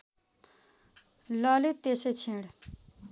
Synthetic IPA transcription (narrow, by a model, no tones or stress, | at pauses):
lʌlit̪ːeset͡sʰẽɽ